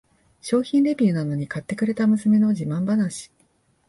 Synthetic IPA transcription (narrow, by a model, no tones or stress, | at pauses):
ɕo̞ːçĩnɾe̞bʲiɯ̟nano̞ɲ̟ikat̪ːe̞kɯ̟ɾe̞t̪amɯ̟sɨme̞no̞ʑimãmbanaɕi̥